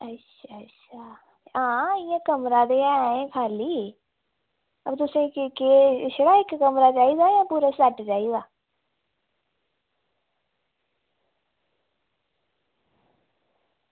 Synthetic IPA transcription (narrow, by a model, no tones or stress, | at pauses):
ətʃʰaːʃʰaː | ãːɪːãkəmɾaːd̪eːaːẽpʰaːliː | əbt̪ʊsẽkkeːʃɽaːɦɪkkəmɾat͡ʃaːid̪aːjãːpuːɾəsaʈd͡ʒaːizaː